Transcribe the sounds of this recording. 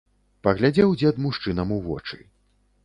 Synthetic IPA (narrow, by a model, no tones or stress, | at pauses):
pɐɣlʲad͡zʲɛwd͡zʲɛd̪muʂt͡ʂɨnɐmuvɔ̰t͡ʂɨ̰